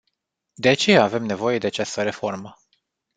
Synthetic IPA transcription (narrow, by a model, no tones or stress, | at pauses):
d̪e̞at͡ʃe̞jaːve̞mne̞vo̞je̞d̪e̞at͡ʃast̪əɾe̞fo̞rmə